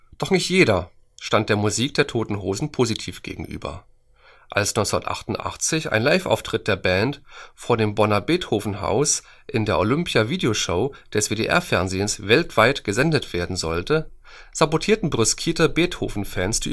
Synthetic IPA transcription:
d̥ɔχnɪçtjeːɾɐ | ʃtant̚d̥eːɐmuziːk̚d̥eːɐtʰoːtn̩ɦoːzn̩pʰoːzitʰiːfɡ̥ḛːɡŋ̩ʔy̰ːbɐ̰ | ʔalsnɔʏnt͡sndɐtʔa̰χtʊntʔa̰χt͡sɪçʔa̰ɪnlaɪfʔa̰ʊftʁ̥ɪt̚d̥eːɐbɛntfoːɐdeːmbɔnɐbeːthoːfn̩ɦa̰ʊs | ʔɪndeːɐʔolʏmpjaviːdeoʃoʊd̥ɛsv̥eːdeːʔɛ̰ɐfɛɐnzeːənsvɛltv̥aɪtɡ̥əzɛndətv̥eːɐdn̩zɔltə | z̥abotʰiːɐtn̩bʁʏskʰiːtəbeːthoːfn̩fɛːnsd̥ḭː

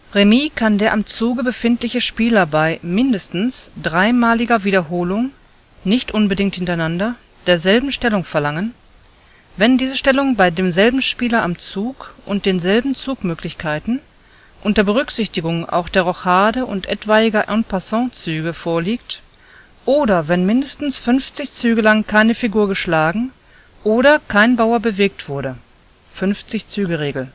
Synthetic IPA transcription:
ʁemiːkʰandeːɐʔamt͡suːɡəbəfɪntlɪçəʃpiːlɐbaɪmɪndəstn̩sd̥ʁaɪmaːlɪɡɐviːdɐɦoːlʊŋ | nɪçtʔʊnbədɪŋthɪntaɪnandɐ | d̥eːɐzɛlbm̩ʃtɛlʊŋfɛɐlaŋən | vɛndiːzəʃtɛlʊŋbaɪdeːmzɛlbm̩ʃpiːlɐʔamt͡suːkʔʊnt̚d̥eːnzɛlbm̩t͡suːkmøːklɪçkʰaɪtn̩ | ʔʊntɐbəʁ̞ʏkz̥ɪçtɪɡʊŋʔa̰ʊxd̥eːɐʁɔxaːdəʔʊ̰ntʔɛ̰tv̥aɪɪɡɐʔɛ̃npasɑ̃t͡syːɡəfoːɐliːk̚t | ʔoːdɐvɛnmɪndəstn̩sfʏnft͡sɪçt͡syːɡəlaŋkʰaɪnəfiɡuːɐɡəʃlaːɡŋ̩ | ʔoːɾɐkʰaɪnbaʊɐbəveːk̚tv̥ʊɐɾə | fʏnft͡sɪçt͡syːɡəʁeːɡl̩

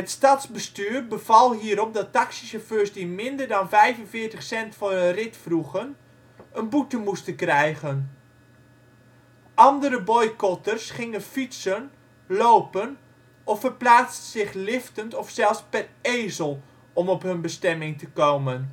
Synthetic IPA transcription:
ɦətstɑtzbəstyːrbəv̥ɑlˠɦiːəɾɔp̚dɑtɑksisəɹvøːrsdimɪndərdɑnvɛjvənvɪəɹtəχsɛntfɑnənrɪtfruɣən | ənbutəmustəkrɛjɣən | ʔɑndəɾəbɔjkɔtərsχɪŋənfitsən | loːpən | ɔfərplaːt͡stəz̥ɪχlɪftəntɔfsɛlˠspɛreːzəlˠ | ɔmɔpɦɵnbəstɛmɪŋtəkowmən

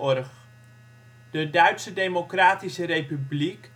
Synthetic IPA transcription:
ɔrχ | d̥ədœɥtsədejmokraːtisərejpyblik

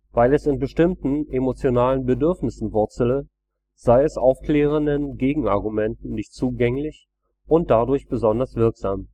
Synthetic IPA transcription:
vaɪlɛsɪnbəʃtɪmtn̩emot͡sjonaːlənbədʏɐfnɪsn̩vʊɐt͡sələ | z̥aɪɛsʔaʊfkl̥ɛːʁ̞əndənɡeːɡŋ̩aɐɡumɛntn̩nɪçtt͡suːɡɛŋlɪç | ʔʊnt̚d̥adʊɐçb̥əzɔndɐsv̥ɪɐkz̥aːm

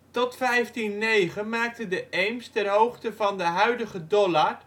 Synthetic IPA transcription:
tɔtfɛjftinːejχənmaːk̚təndəʔɛjmstɛnɦowχtəvɑndəɦœɥdəχədɔlaɹ

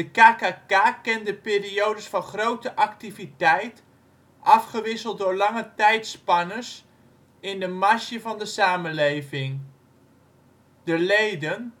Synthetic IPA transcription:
dəkaːkaːkaːkɛndəpɪːriowdəsfɑnχrowtəʔɑktivitɛjt | ʔɑfχəʋɪsəlˠt̚dʊːɹlɑŋətɛjtspɑnəs | ɪndəmaʃjəvɑndəsaːmənlejvɪŋ | dəlejdən

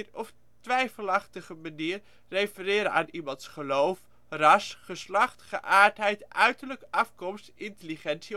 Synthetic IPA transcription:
rɔf | tʋɛjfəlɑχtəχəmaniːr | rejfərɪːɾəa̰ːnimɑntsχəlowf | rɑsχəslɑχtχəʔaːɹtɦɛjtʔœɥtərləkʔɑfkɔmstɪntəliχɛnsi

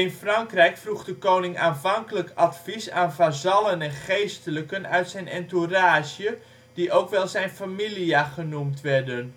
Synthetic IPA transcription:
ɪnfraŋkrɛjkfruɣdəkownɪŋaːnvɑŋkələkatfisaːnvazɑlənɛnχejstələkənœ̰ɥtsɛjnɛnturaːzjə | d̥iʔowkʋɛlˠzɛjnfamiliaχənumtʋɛrdən

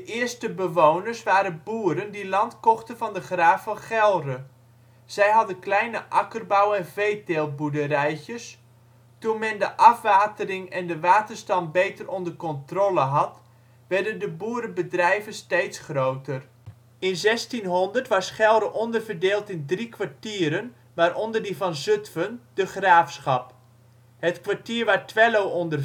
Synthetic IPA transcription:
dəʔɪəstəbəʋownərsʋaːɾəbuːəɾəndilɑntkɔχtəvɑndəχraːfɔχɛlˠrə | z̥ɛjɦɑdənklɛjnəʔɑkərbawɛnvejteːlˠbudərɛjçəs | tunmɛndəʔɑfʋaːtərɪŋɛndəʋaːtərstɑmbejtərɔndərkɔntroləɦɑt | ʋɛrdəndəbuəɾəbədrɛjvənstejtsχrowtər | ɪnzɛstinɦɔndərtʋɑsχɛlˠdəʔɔndərvərdeːlˠtɪndrikʰʋaɹtiːəɾən | ʋaːɾɔndərdivɑnzøtfənd̥əχraːfsχɑp | hətkʋaɹtiːəɹʋaːtʋɛlowɔndə

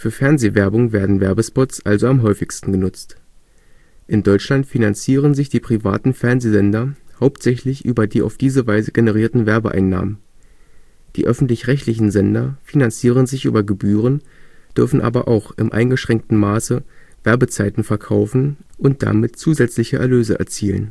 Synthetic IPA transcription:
fyːɐfɛɐnzeːvɛɐbʊŋveːɐdn̩vɛɐbəspɔtsʔalzoamɦɔʏfɪçstn̩ɡənʊt͡st | ʔɪndɔʏt͡ʃlantfinant͡siːʁ̞ənzɪçd̥iːpʁ̥iva̰ːtn̩fɛɐnzeːzɛndɐhaʊptz̥ɛçlɪçʔyːbɐdiːa̰ʊfd̥iːzəvaɪzəɡenəʁ̞iːɐtn̩vɛɐbə̰ʔa̰ɪnːa̰ːmən | d̥iːʔœfn̩tlɪçʁɛçtlɪçn̩zɛndɐfinant͡siːʁ̞ənzɪçʔy̰ːbɐɡəbyːʁənd̥ʏɐfn̩ʔa̰ːbɐʔa̰ʊxʔɪmʔa̰ɪnɡəʃʁ̥ɛŋk̚tn̩maːsə | v̥ɛɐbət͡saɪtn̩fɛɐkʰaʊfn̩ʔʊnt̚d̥a̰mɪtt͡suːzɛt͡slɪçəʔɛ̰ɐløːzəʔɛ̰ɐt͡siːlə̰n

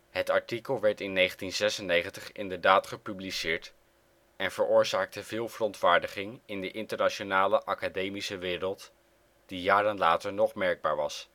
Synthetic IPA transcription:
ɦətɑɹtikəlˠʋɛɹtɪnːejχəntinzɛsənejχəntəχɪ̰ndəɹdaːtχəpyblisɪːɹt | ɛnv̥əɹʔʊːɹzaːk̚təvɪːlˠvərɔntʋaːɹdəχɪŋɪndəʔɪntəɹnaʃonaːləʔɑkadejmisəʋɪːɾəlˠt | d̥ijaːɾənlaːtəɹnɔχmɛɹɡ̚baːɹʋɑ̰s

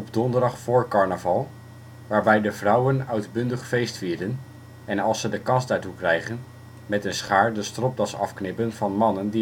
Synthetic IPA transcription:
ɔbdɔndəɹdɑχfʊːɹkɑɹnəvɑlˠ | ʋaːɹbɛjdəvrʌwənœɥdbɵndəχfejstfiːɹdən | ɛnɑlˠsədəkɑnsdaːɹtukrɛjχən | mɛtənsχaːɹdəstrɔp̚dɑsɑ̰fknɪpənv̥ɑnmɑnəndi

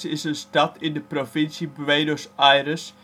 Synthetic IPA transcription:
sɪsənstɑtʰɪndəprofɪnsibʋeːdosajrəs

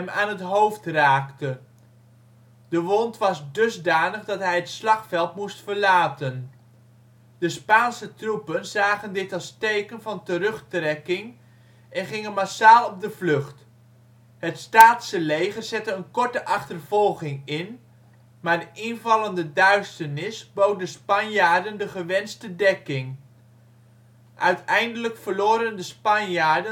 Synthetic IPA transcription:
ɛma̰ːnɦətɦowftraːktə | dəʋɔntʋɑzdɵzdaːnəχdɑtɦɛjɦətslɑχfɛlˠtmustfəɹlaːtən | d̥əspaːnsətrupənzaːχəndɪtɑlˠstejkənvɑntərɵχtrɛkɪŋ | ɛnχɪŋənmasaːlˠɔb̚dəvlɵχt | ɦətstaːtsəlejχəɹzɛtəənkɔɹtəʔɑχtərv̥ɔlˠχɪŋɪn | maːɹdəʔɪnvɑlˠəndədœɥstəɹnɪsbowt̚dəspɑnjaːɹdəndəχəʋɛnstədɛkɪŋ | ʔœɥtɛjndələkfəɹloːɾəndəspɑnjaːɹdə

